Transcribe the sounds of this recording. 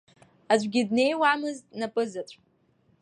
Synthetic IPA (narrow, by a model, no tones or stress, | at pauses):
azʷɡʲɪdne̞jwamɨztʼnapʼɨzat͡sʷʼ